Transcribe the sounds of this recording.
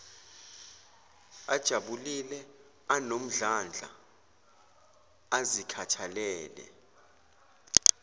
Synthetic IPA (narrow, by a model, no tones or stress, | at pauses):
ad̥ʒ̥ʱaɓulilɛ | anom̩ɮand͡ɮʱa̰ | azikʰatʰalɛːlɛ̰